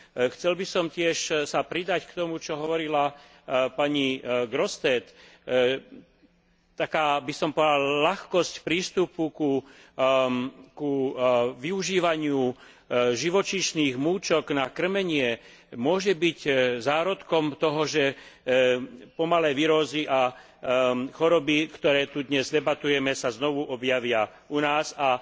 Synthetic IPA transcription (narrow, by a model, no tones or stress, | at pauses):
xt͡sɛlbisɔmcɪɛʃsapɾid̪ackt̪ɔmut͡ʃɔɦɔʋɔɾila | paɲiɡɾɔst̪ɛːt̪ | t̪akaːbisɔmpɔd̪allaxkɔscpɾiːst̪upuku | kuʋiuʒiːʋaɲɪu | ʒiʋɔt͡ʃiʃniːɣmuːt͡ʃɔɡnakr̩mɛɲɪɛ | mʊɔʒɛbiczaːɾɔt̪kɔmt̪ɔɦɔʒɛ | pɔmalɛːʋiɾɔziʔa | xɔɾɔbikt̪ɔɾɛːt̪ud̪ɲɛzd̪ɛbat̪ujɛmɛsaznɔʋuʔɔbjaʋɪa | unaːza